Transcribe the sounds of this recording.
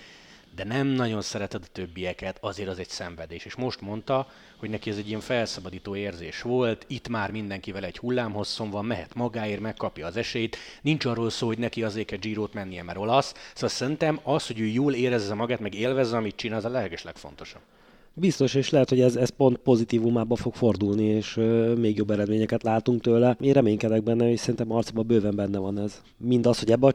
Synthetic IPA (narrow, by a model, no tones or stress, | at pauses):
d̪ɛnɛmnɒɟo̞nsɛɾɛt̪ɛd̪ɒt̪ø̞bːijɛkɛt̪ɒzeːɾɒzɛɟsɛɱvɛd̪eːʃeːʃmo̞ʃt̪mo̞nt̪ɒ | ho̞ɟnɛkiɛzɛɟːijɛɱfɛlsɒbɒd̪iːt̪oːeːrzeːʃʋo̞lt̪it̪maːrmind̪ɛŋkivɛlɛɟhulːaːmɦo̞sːo̞mvɒmmɛɦɛt̪mɒɡaːeːrmɛkːɒpjɒːzɛʃɛjit̪nint͡ʃɒrːoːlsoːlho̞ɟnɛkiɒzeːkɛd͡ʒiːɾoːt̪mɛnːijɛmɛɾo̞lɒssoɒlsɛɾint̪ɛmɒsho̞ɟøːjoːleːɾɛzːɛmɒɡaːt̪mɛɡeːlvɛzːɛɒmit̪̚t͡ʃinaːzɒlɛlɛɡɛʃlɛkfo̞̰nt̪o̞ʃɒb̥ | bist̪o̞ʃeːʃlɛɦɛt̪ho̞ɟɛzɛst̪̚po̞nt̪̚po̞zit̪iːvumaːbɒfo̞kfo̞rd̪ulnieːʃmeːɡjo̞bːɛɾɛd̪meːɲɛkɛt̪laːt̪uŋk̚t̪øːlɛeːɾɛmeːɲkɛd̪ɛɡ̚bɛnːɛocsɛɾint̪ɛmɒrt̪sibɒbøːvɛmbɛnːɛvɒnɛz | mind̪ɒshoɟɛbːɛɒ